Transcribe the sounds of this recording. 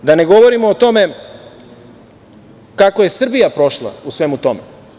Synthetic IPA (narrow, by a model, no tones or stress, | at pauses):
d̪ane̞ɡo̞ʋo̞ɾimoːt̪o̞me̞ | kakoje̞sr̩bijapɾo̞ʃlˠa̰usʋe̞mut̪o̞me